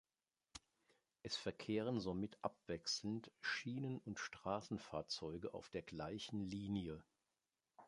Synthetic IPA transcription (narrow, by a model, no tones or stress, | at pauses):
ʔɛsfɛɐkʰeːʁ̞ənzomɪtʔa̰pv̥ɛksl̩n̩tʃiːnənʊntʃtʁ̥aːsn̩faːɐt͡sɔʏɡəʔa̰ʊfd̥eːɐɡlaɪçn̩liːnjə